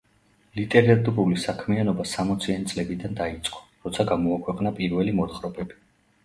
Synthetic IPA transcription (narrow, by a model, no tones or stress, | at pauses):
lit̪ʼɛɾat̪ʼuɾulisakʰmianɔbasamɔt̪sʰianit̪sʼlɛbid̪and̪ait̪sʼqʼɔ̥ɾɔt̪sʰaɡamɔakʰwɛqʼnapʼiɾvɛlimɔt̪χɾɔbɛbi